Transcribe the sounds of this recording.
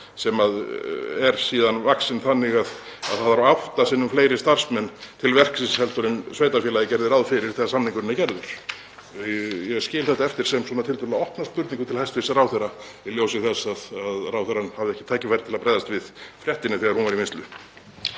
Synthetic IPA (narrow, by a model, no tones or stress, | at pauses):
sɛmaðɛɾ̥siːðanvaksɪnθanːɪɣað | a̰ðθaððaɾaht̪asɪnːʏmfleːjɾɪst̪aɾ̥smɛnːt̪ʰɪlvɛr̥ksisshɛlt̪ɔɾɪnsveːjt̪afjɛːlaɪcɛɾðɪɾaðfɪɾɪɾθɛsasamniŋkʏɾɪnːacɛɾðʏɾ̥ | jɛɣscɪːlθɛht̪aɛft̪ɪɾ̥sɛmswɔːnat̪ʰɪlt̪ʰœlaɔhpnast̪pʏɾt̪niŋkʏt̪ʰɪlhajst̪vɪ̥saraːwθɛraɛljoːwsɪɣθɛsaðaðraːwθɛɾanhavðɪɛhcɪ̥t̪ʰaːjcɪfajɾɪt̪ʰɪlaðpɾajðast̪vɪðfɾjɛht̪ɪnɪθɪɣaɾ̥hunvaɾimɪnst̪lʏ